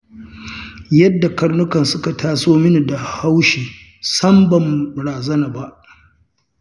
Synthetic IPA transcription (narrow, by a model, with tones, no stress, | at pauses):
jɐ˦dːa˨kɐ˦rnʊ˦kɐ˨nsʊ˦ka˨tʰaː˦soː˦mɪ˦n˨da˨ha˦wʃiː˨ | sɐ˦mbɐ˨mbʊ˨ɽaː˨zɐ˦naː˨ba˦ʔ